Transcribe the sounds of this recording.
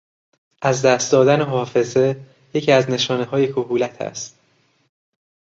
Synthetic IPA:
ʔæzd̪æːst̪d̪ɒːd̪æneɦɒːfe̞ze̞ | je̞cʰiːæzne̞ʃɒːneɦɒːjekʰoɦuːlæt̪ʰæ̰st̪

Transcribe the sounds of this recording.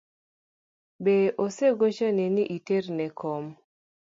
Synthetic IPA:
beʔoseɡot͡ʃɔnɛnɪʔiternɛkʰom

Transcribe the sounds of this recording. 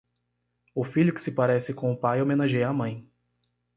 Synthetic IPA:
ʊfiʎʊkɪ̥sɪpaɾɛsɪkõʊpajomẽnaʒejɐaːmɐ̃j̃

